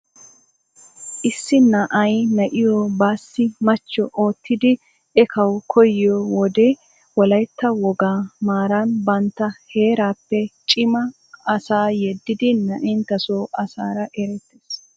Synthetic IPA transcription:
ʔɪsːɪnɐʔɐjnɐʔɪjɔbaːsːɪmɐt͡ʃːɔʔoːt̪ʰːɪd̪ɪ | ʔɛkʰɐwkʰɔjɪjɔwɔd̪ɛ | wɔlɐjt̪ːɐwɔɡaːmaːɾɐnbɐnt̪ːɐhe̞ːɾaːpːɛt͡ʃʼɪmɐ | ɐsaːjɛd̪ːɪd̪ɪnɐʔɛnt̪ːɐsoːʔɐsaːɾɐʔɛɾɛt̪ːeːs

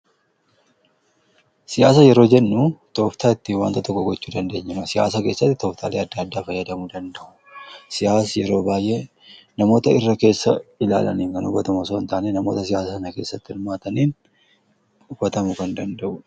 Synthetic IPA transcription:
sɪjaːs̬ɐjɛɾo̞ːd͡ʒɛnːut̪oːft̪ʰaːɪt̪ːiwa̰ːnt̪ɐt̪ɔkːɔɡɔt͡ʃːuːd̪ɐnd̪e̞ːɲːɪmɐsɪja̰ːsake̞ːsːɐt̪ːɪt̪ɔːft̪ʰa̰ːleːɐd̪ːaːɐd̪ːaːfɐjːɐd̪ɐmud̪ɐnd̪ɐʔʊ̥ | sɪjaːsjɛɾo̞ːbaːjʔe | nɐmo̞ːt̪ɐɪrːɐke̞ːsːɐ̰ɪla̰ːlɐ̰niːŋkɐnʊbɐt̪ɐmɐsoːnt̪aːnenɐmo̞ːt̪ɐsɪjaːsaːsɐnɐke̞ːsːɐt̪ːɪɪlmaːt̪ɐniːn | ʊbɐt̪ɐmʊkɐnd̪ɐnd̪ɐʔʊ

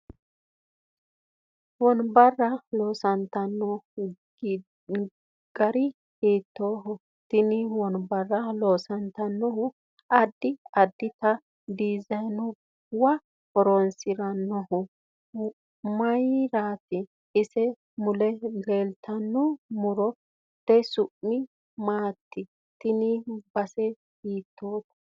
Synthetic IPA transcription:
wɔnbɐrːɐloːsɐnt̪ɐnːɔ | ɡ̥ɐɾɪ | hiːt̪ːoːɦʊ | t̪ɪnɪwɔnbɐrːɐloːsɐnt̪ɐnːɔhʊ | ɐd̪ːɪɐd̪ːɪt̪ɐ | d̪iːzɐjnʊ | wɐ | ɔɾɔnsɪɾɐnːɔhʊ | mɐjɾaːt̪ɪː | sɛ | mʊlɛleːlt̪ʰɐnːʊmʊɾɔ | t̪ɛsʊʔːɪ | maːt̪ːɪ | t̪ɪnɪbɐsɛ | hiːt̪ʰːoːt̪ɐ̥

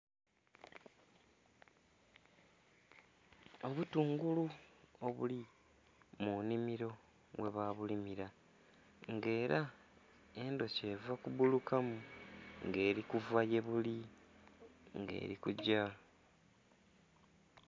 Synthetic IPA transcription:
o̞βutuːŋɡuluo̞βṵli | munimiɾo̞ | we̞βaβulimiɾa | ŋɡe̞ːɾa | e̞ndo̞ce̞ːvakubulukamuŋɡe̞ːɾikuvaje̞βuli | ŋɡe̞̰ːɾikuɟa

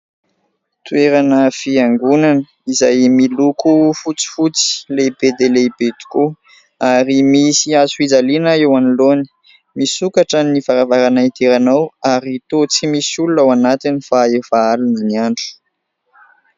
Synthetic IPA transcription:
t̪ueɾanəfiaŋɡunanə | izajmilukufut͡si̥fut͡si̥lebed̪elebet̪u̥ku | aɾimisiazuid͡zalinəewaniloni̥ | misukaʈ͡ʂənifaɾavaɾanait̪eɾanawaɾit̪ot͡simisululawanat̪inifaefaaluniniaɳɖ͡ʐu̥

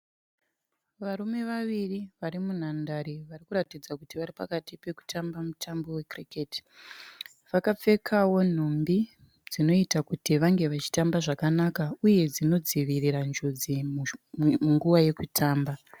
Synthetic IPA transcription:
ʋaɾume̞ʋaʋiriʋaɾimun̤andaɾiʋarikuɾatid͡zakutiʋaɾipakatipe̞ku̥tʰambamutʰambo̞we̞kriketi̥ | ʋakap͡fe̞kʰawo̞n̤ombi | d͡zino̞itakutiʋaŋɡe̞ʋat͡ʃi̥tambaʐakanakauje̞d͡zino̞d͡ziʋiriɾand͡ʒod͡zi | muŋɡuʋaje̞kutʰaːmba

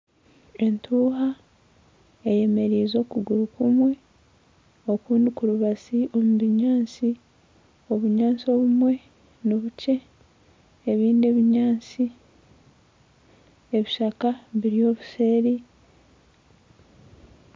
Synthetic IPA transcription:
e̞ntʰuːɦa | e̞je̞me̞ɾiːzo̞ːkuɡuɾukumwe̞ | o̞kuːndikuɾuβasiʔo̞muβiɲaːnt͡si | o̞βuɲaːnt͡sio̞βumwe̞ | niβuce̞ː | βiːndeβiɲaːnt͡si | eβiʃakaβiɾio̞ːβuse̞ːɾi

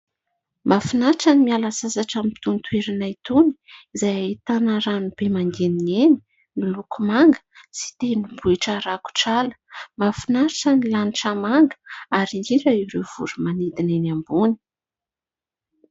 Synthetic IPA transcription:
mafinaʈ͡ʂanimialasazaʈ͡ʂamit̪unt̪weɾinait̪uni̥ | izajait̪anəɾanub̥emaŋɡenieni̥ | nilukumaŋɡə̥si̥t̪enibuiʈ͡ʂaɾaku̥ʈ͡ʂalə̥mafinaɾʈ͡ʂənilaniʈ͡ʂamaŋɡə̥aɾiŋɡiɾaiɾewv̥ṵɾumanid̪inenambuni̥

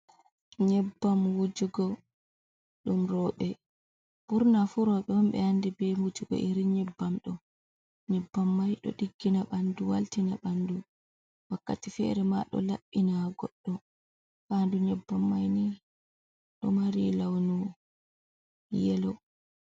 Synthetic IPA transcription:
ɲɛbːamwud͡ʒuɡɔ | ɗumɾɔɓɛ | b̥uɾnafuɾɔɓɛwɔmɓɛ̰andibɛmud͡ʒuɡɔ̰ʔiɾiɲɛbːamɗɔ | ɲɛbːamːajɗɔ̰ɗiɡːinaɓanduwa̰ltinaɓandu | wakːatifɛ̰ɾɛma̰ɗɔ̰laɓːinaɡɔɗːɔ | kanduɲɛbːamːajni | ɗɔmaɾilawnu | jɛlɔ

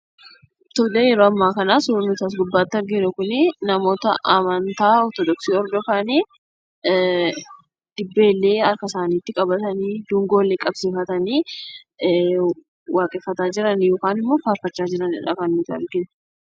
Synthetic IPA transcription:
t̪ɔdeːjɛɾoːɐmːaːkɐnaːsʊɾʊɾnʊt̪aːs̬ɡʊbːaːt̪ːɐɾɡɪnʊkʊnɪnɐmo̞ːt̪ɐʔɐmɐnt̪aːɔɾt̪ɔd̪ɔksiːɔɾd̪ɔfaːni | d̪̥ɪbːe̞ːlːe̞ːɐɾkɐsaːniːt̪ːɪkʼɐbɐt̪ɐniːd̪uːŋɡoːlːɛkʼɐbsɪfɐt̪ɐniː | waːkʼɛfːɐt̪aːd͡ʒɪɾɐnjo̞ːkaːnɪmːoːfaːɾfɐt͡ʃːaːd͡ʒɪɾɐnɪ̰ᶑɐ̰kɐnmʊt̪ːɐ̰ɾɡɪn

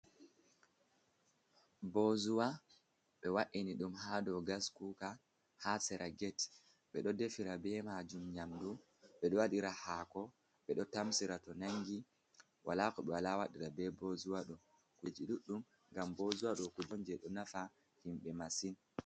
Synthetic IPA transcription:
bɔzuwa | ɓɛwaʔiniɗumhadɔɡaskuka | hasɛɾʔaɡɛt | ɓɛɗɔdefiɾabɛmad͡ʒumɲamdu | ɓɛɗɔwaɗiɾahaːkɔ | ɓɛɗɔtamsiɾatɔnaŋɡi | wʔalaːkɔɓɛwalawaɗiɾabɛbozuwaɗɔ | kud͡ʒiɗuɗːum | ŋɡambozuwaɗɔkud͡ʒɔnd͡ʒɛɗɔnafa | himɓɛmasin

